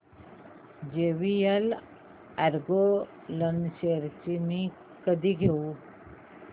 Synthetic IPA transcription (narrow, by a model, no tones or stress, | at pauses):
d͡ʒeʋijəl | aɾɡo | lənseɾt͡ʃimi | kəd̪iɡʱeu